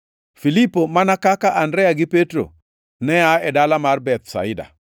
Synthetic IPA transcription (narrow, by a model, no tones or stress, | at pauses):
filipomanakakaʔandɾɛjaɡɪpetɾo̰ | nɛaɛdalamarbɛt̪̚sa̰ɪda̰